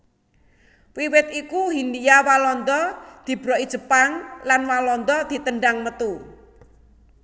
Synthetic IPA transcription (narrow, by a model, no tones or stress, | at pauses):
wiwɪt̪ikuɦinijawalɔnd̪ɔd̪̥i̤b̥ɾɔid̥ʒ̥ə̤paŋlanwalɔnd̪ɔd̪̥i̤t̪əɳɖaŋmət̪u